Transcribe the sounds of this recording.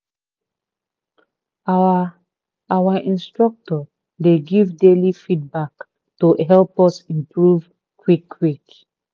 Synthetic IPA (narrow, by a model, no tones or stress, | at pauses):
awaʔĩnstɹɔk̚tɔ | leɡivdelifid̚bak | toɦɛlpɔsĩmpɹuv | kwikːwik